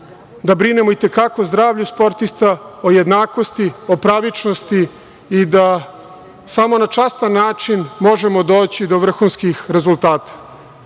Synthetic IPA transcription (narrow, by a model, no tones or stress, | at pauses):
d̪abɾine̞moit̪e̞kako̞zd̪ɾaːʋʎuspo̞ɾt̪ist̪aoje̞d̪naːko̞st̪iopɾaʋit͡ʂnost̪iː | d̪a | samo̞nat͡ʂast̪anːaːt͡ʂinmo̞ʒemod̪o̞ːt͡ɕid̪o̞ʋr̩xunskixɾe̞zulˠt̪aːt̪ḁ